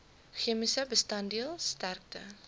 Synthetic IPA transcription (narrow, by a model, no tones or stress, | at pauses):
χiəmisəbəstɐndiəlˠstærk̚tə